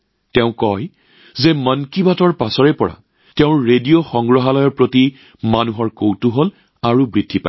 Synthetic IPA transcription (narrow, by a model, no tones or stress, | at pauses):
tɛʊ̃kɔj | zemənkibatɔɹpasɔɹɛpɔɹa̰ | tɛʊ̃ɹedijoxɔŋɡɹɔɦalɔjɔɹpɹoti | manuɦɔɹkowtuɦol | aɹubɹidʱːipa̰j